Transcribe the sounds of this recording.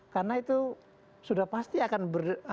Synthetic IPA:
karnait̪u | sudahpast̪iakanbər

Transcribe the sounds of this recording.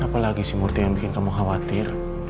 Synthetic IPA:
apalaɡisimurt̪ijaŋbikɪnkamuɦawat̪ɪr

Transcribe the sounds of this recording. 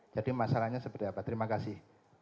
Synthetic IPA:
d͡ʒadimasalahɲasəbərdiapat̪əɾimakasɪh

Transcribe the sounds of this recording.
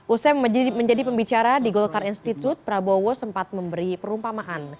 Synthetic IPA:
ʔusɛməɲd͡ʒadipəmbit͡ʃaɾadiɡɔlkaɾinst̪it̪ut̪̚pɾabowɔsəmpat̪̚məmbəɾipəɾumpamaʔan

